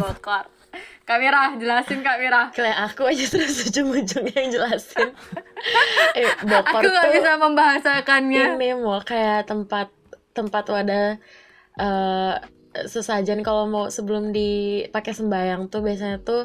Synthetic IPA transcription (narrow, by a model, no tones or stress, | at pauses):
bɔkɔr | kawiɾahd͡ʒəlasɪnkawiɾahkalajaʔakuad͡ʒat̪əɾasud͡ʒʊŋud͡ʒʊŋɲad͡ʒəlasɪn | ʔɛbɔkaɔrkuŋɡaubisaməmbaɦasakanɲaŋnɪmɔkajaʔt̪əmpat̪̚ː | əmpat̪uada | ʔə | səsad͡ʒankalomawsəbəlʊmdipakɛsəmbajaŋt̪ʊbias̬aɲat̪ʊ